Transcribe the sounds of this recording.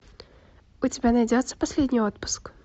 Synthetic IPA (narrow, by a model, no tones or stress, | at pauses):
ʊtʲɪbʲanɐjdʲot̪sːə̥pɐsʲlʲedʲnʲɪjot̪pʊ̥sk